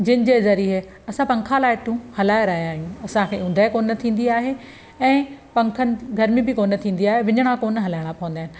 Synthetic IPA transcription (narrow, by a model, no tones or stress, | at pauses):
d͡ʑɪnɪ̆d͡ʑeːzɐɾiɦe | ɐsãpɐ̃ŋkʰalaːɪʈũhɐlaːɪɾɐːijaːɦijũɐsãkʰeːʊ̃n̆d̪ʱaːɪkoːnɐt̪ʰĩːn̆d̪iaːɦe | ɛ̃ːpɐ̃ŋkʰənɪ̆ɡʱɐɾmibɪkoːnt̪ʰĩːn̆d̪iaːɦeʋɪɲəɽ̃ãkoːnɦɐlaːɪɽ̃apɐʋ̃nd̪aːɪnɪ̆